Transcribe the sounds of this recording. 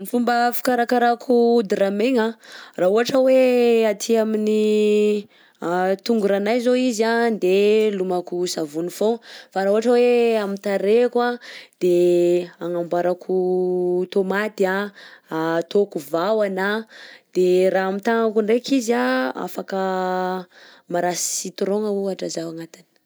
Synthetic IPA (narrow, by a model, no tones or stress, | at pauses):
mifumbəfi̥kaɾakaɾakʰud̪iɾameŋarauɦaʈ͡ʂəweat̪ʰiamini | t̪uŋɡuɾanajzoizand̪elumakusavunifofaɾaɦuɦaʈ͡ʂəweamit̪aɾekwad̪̥eaŋambaɾakʰut̪omat̪ia | t̪okuvawanad̪̥eɾaamit̪aŋakuɳɖ͡ʐekizaa̰fakə | maɾasit̪uɾoŋauaʈ͡ʂazawaŋat̪in̥